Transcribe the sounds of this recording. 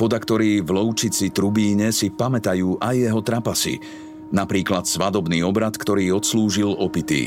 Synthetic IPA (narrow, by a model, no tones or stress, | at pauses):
pɔd̪akt̪ɔɾiːvlɔʊt͡ʃit͡sit̪ɾubiːɲɛsipamɛt̪ajuːʔajːɛɦɔt̪ɾapasḭ | napɾiːklat̪sʋad̪ɔbniːɔbɾat̪kt̪ɔɾiːɔt̪sluːʒilɔpit̪ḭ